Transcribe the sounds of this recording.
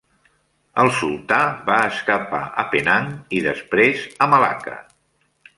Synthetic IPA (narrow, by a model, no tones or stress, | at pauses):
əlˠsulˠt̪abaəskapaəpenaŋiðəspɾezəməla̰kə̰